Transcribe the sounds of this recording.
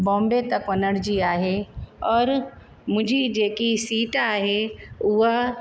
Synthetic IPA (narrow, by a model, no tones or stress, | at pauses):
bɔ̃ːmbet̪ɐkʋɐnəɽd͡ʒiaːɦeɔːɾ | mʊd͡ʒʱid͡ʒeːkisiːʈaːɦeʊɦa